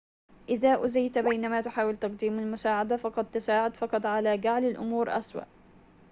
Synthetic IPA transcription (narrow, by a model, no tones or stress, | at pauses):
ʔɪðaːʔʊzajt̪bajnamaːt̪ʊħaːwɪlt̪ɑqd̪iːmalmʊsaːʕad̪afɑqɑd̪̚t̪asaːʕʊd̪fɑqɑt̪ˤʕalaːd͡ʒaʕlalʔʊ̰muːɾʔaswa̰ʔ